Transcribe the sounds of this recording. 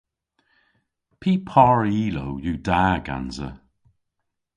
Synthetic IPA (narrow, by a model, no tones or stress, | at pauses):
pʰiːpʰɔɹiːlowjuːdaːɡa̰nzə̰